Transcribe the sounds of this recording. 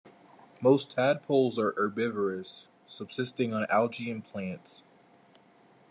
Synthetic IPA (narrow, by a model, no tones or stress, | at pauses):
moʊstʰæd̚pʰoʊlˠzə˞ʔə˞bɪvə˞ɨsː | ʌb̥sɪstɪ̃ŋə̃nælˠd͡ʒiɨ̃npʰl̥æ̃nts